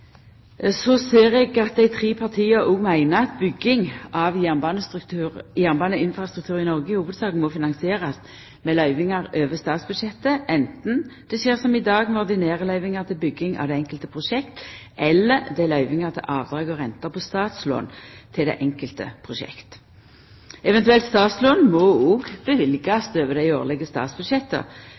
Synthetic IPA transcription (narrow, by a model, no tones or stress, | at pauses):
sɔseːɾɛɡɑt̪̚d̪æɪt̪ʰʁiːpʰɑʁt̪ʰiːɑʔuːmæɪnəɑt̪bʏɡːɪŋʔɑʋjænbɑnəst̪t̪ʰʉʁjæʁnbɑːnəɪnfɾɑst̪ʁʉk̚t̪ʰʉːʁɪnɔʁɡəhuːʋəd̪sɑːkən̩mɔfɪnɑŋsɪeːʁɑs | mɛlœʏʋɪŋɑɾøːʋəst̪ɑːt̪sb̥ʉd̪ʃɛt̪ːəʔɛnt̪n̩d̪̥ɛʃeːʁsɔmɪd̪ɑːɡnɔʁd̪ɪneːʁəlœʏʋɪŋɑʁt̪ʰɪlbʏɡːɪŋʔɑ̰ʋd̪ɛɛŋkəlt̪əpʰʁʊʂɛkt̪ʔɛlːəɾd̪ɛɪlœʏʋɪŋəʁt̪ʰɪ̰lʔɑːʋd̪ɾɑːɡɔʁɛnt̪əpʰɔst̪ɑːt̪slo̰ːnt̪ʰɪld̪ɛ̰ːʔɛŋkəlt̪ə̰pʰʁʊʃɛ̰kt̪ | ɛʋɛnt̪ʉɛlt̪st̪ɑːt̪sloːnmɔɔɡb̥əʋɪlɡɑsd̪øːʋəd̪æɪoːʁlɛɡəst̪ɑ̰ːt̪sbʉd̪ʃɛt̪ːə̰